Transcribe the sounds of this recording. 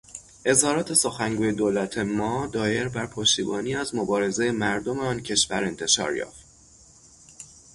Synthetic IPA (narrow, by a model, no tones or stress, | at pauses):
ʔe̞zhɒːɾɒːt̪ʰe̞so̞xæŋɡuːje̞d̪oːlæt̪ʰemɒːd̪ɒːje̞ɾbæɾpʰoʃt̪iːbɒːniːæzmobɒːɾe̞ze̞jemæɾd̪o̞meɒːncʰe̞ʃvæɾe̞nt̪ʰe̞ʃɒ̰ːɾjɒ̰ːft̪